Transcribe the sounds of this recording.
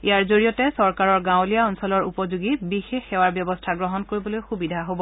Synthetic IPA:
ijaɹzoɹijɔtɛsɔɹkaɹɔɹɡãw̃lijaɔnsɔlɔɹupɔzuɡibixexːɛwaɹbjɔbɔstʰaɡɹɔɦɔnkoɹibɔlojxubidʱaɦobɔ

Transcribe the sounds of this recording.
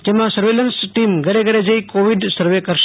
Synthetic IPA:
d͡ʒemãsəɾʋelənsʈimɡəɾeɡəɽed͡ʒəikoʋiɖsəɾʋekəɾʃ

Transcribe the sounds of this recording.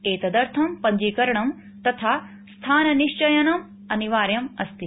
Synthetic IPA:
eːt̪ɐd̪ɐɾt̪ʰɐmpɐɲd͡ʒiːkɐɾɐɳ̃ɐm | t̪ɐt̪ʰaː | st̪ʰaːnɐniʃt͡ʃɐjɐnɐm | ɐniʋaːɾjɐmɐst̪i

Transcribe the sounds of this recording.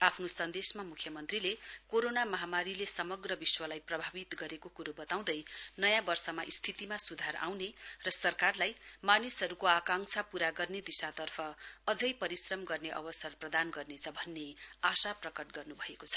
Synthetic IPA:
apʰnosʌnd̪esmamukʰjʌmʌnt̪rilekoɾonamʌɦamaɾilesʌmʌɡrʌbiswʌlajprʌbʱabit̪ɡʌɾekokuɾobʌt̪aw̃d̪ʌjnʌjãbʌrsʌmaʔist̪ʰit̪imasud̪ʱaɾa̰wnerʌsʌrkarlajmanisɦʌɾukoakaŋsʰapuɾaɡʌrned̪isat̪ʌrpʰʌːd͡zʌjpʌɾisrʌmɡʌrneʔʌ̰bʌsʌrprʌd̪anɡʌrnet͡sʰʌbʱʌnːeasaprʌkʌʈɡʌrnubʱʌekot͡sʰʌ̥

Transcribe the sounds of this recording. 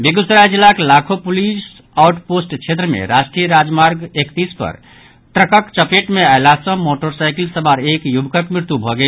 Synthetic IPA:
beɡusɾajd͡ʒilːakelakʰopulis | aʊʈposʈt͡ʃʰet̪ɾəmḛɾasʈɾijəɾad͡ʒmaɾɡekt̪ispə̰ɾ | t̪ɾəkəkt͡ʃəpeʈmeaɪlasə̃moʈoɾsajklsəbaɾekjubkəkmɾɪɾt̪ubʱɔɡe

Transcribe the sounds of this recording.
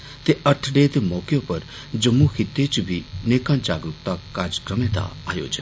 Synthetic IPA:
t̪eʔəʈʰɖeːt̪emɔːkjõːpəɾ | d͡ʒəmːuxʰɪt̪ːet͡ʃbʱineːkãːd͡ʒaːɡɾʊkt̪aːkaːɾd͡ʒəkɾəmẽd̪a̰a̰ːjo̰ːd͡ʒən

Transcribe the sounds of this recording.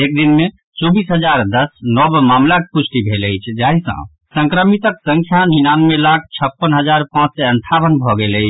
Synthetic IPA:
ek̚d̪inme | t͡ʃɔbisɦəd͡ʒaɾd̪əsnɔbmamlakepusʈibʱeləjt͡ʃʰd͡ʒaɦisə̰̃ | sə̃ŋkɾəmit̪əksəŋkʰjaninanmelakʰt͡ʃʰəpːənɦəd͡ʒaɾpãt͡ʃsɛəɳʈʰabənbʱɔɡeləɪt͡ʃʰ

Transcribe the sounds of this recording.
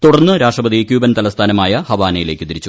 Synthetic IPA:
t̪uɽɐrnːɨɾaːʂrɐbɐd̪ðiekʲjuːbɐnt̪ɐlɐst̪ʰaːnɐmaːjɐhɐʋaːnɐjile̞ːkʲːɨt̪iɾit͡ɕːu

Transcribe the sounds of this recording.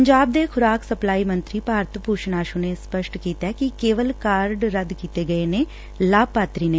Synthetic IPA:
əɲd͡ʒaːb̚d̪eːkʰʊɾaːksəplaːiːmə̃nt̪ɾiːpaːɾt̪puːʃnaːʃõːneːspəʃʈkiːt̪ɛːkɪkeːʋəlkaːɾɖɾəd̪kiːt̪eːɡəeːneː | laːbpaːt̪ɾiːneː

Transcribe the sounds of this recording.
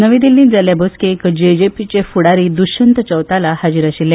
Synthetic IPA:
nəʋĩd̪ilːĩːnd͡zaljabəskekd͡ʑed͡ʑepit͡ɕefuɽaɾiːd̪uɕənt̪ət͡ɕəwt̪alahad͡ʑiːɾaɕiljẽ

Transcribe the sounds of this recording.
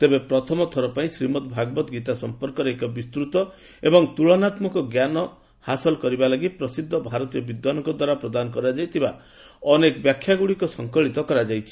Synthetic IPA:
t̪ebepɾɔt̪ʰɔmɔt̪ʰɔɾɔpaĩsɾimɔt̪bʱaɡbɔt̪ɡit̪asɔmpɔɾkɔɾekɔbist̪ɾut̪ɔ | ebɔŋt̪uɭɔnat̪mɔkɔɡjanɔ | hasɔlkɔɾibalaɡipɾɔsid̪ʱːɔbʱaɾɔt̪iɔbid̪wanɔŋkɔd̪waɾapɾɔd̪anɔkɔɾad͡ʒajt̪ʰiba | ɔnekɔbjakʰjaɡuɽikɔsɔŋkɔɭit̪ɔkɔɾad͡ʒajt͡ʃʰi̥

